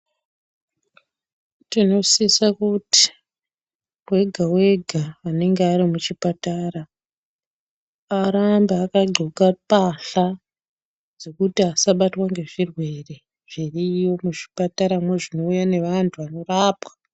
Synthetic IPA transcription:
tino̞sisakuti̥ | we̞ɡʱawe̞ɡʱaːne̞ŋɡeaɾimut͡ʃipataːɾa | aɾambeakaɡ͡ǃʱokapaɬa | d͡zo̞kutiasaɓatwaŋɡe̞ʐirwe̞re̞ | ʐ̥iriːjo̞muʐi̥pataɾamwe̞ʐino̞ujane̞ʋantʰuʋano̞raːpwḁ

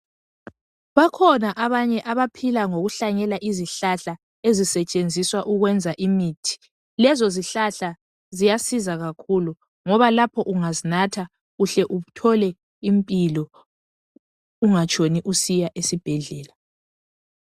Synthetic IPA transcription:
βakʰɔnaʔaβaɲɛʔaβapʰilaŋoɣuɬaɲɛlaʔiziɬaɬa | ezisɛt͡ʃʼend͡zʱiswaʔuɣwɛnd͡zʱaʔimiːtʰi̥ | lɛzɔziɬaɬa | zijasizaɣakʰulu | ŋɔβalapʰɔʔuŋazinatʰa | ɣuɬɛʔuβutʰɔlɛ | impʼilɔ | uŋat͡ʃʼʰoniʔusijaʔesib̥ʱɛɮɛːla

